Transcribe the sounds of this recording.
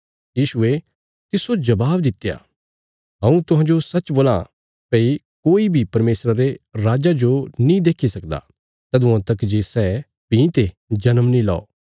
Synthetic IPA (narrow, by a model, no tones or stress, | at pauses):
jiːʃʊe | t̪ɪsod͡ʒɐbaːbd̪ɪt̪ːja̰ | ɦɐ̃ːũt̪ʊɦãːd͡ʒosɐt͡ʃboːlã | pɛːi | koːibʱipɐɾmeːsɾaɾeɾaːd͡ʒad͡ʒonĩd̪eːkʰisɐkd̪a̰ | t̪ɐd̪uãt̪ɐkd͡ʒesɛː | pĩːt̪e | d͡ʒɐnəmnĩla̰ːo̰ː